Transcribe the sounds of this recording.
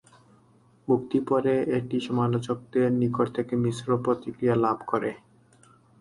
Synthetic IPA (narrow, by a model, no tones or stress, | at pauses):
mukt̪ipɔɾeeʈiʃɔmalot͡ɕok̚d̪eɾnikoʈt̪ʰekemisɾopɾot̪ikɾialabʱkoɾe